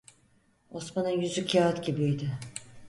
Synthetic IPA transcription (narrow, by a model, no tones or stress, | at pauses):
osmanajyzycʰjaat̪cʲibiijd̪ɪ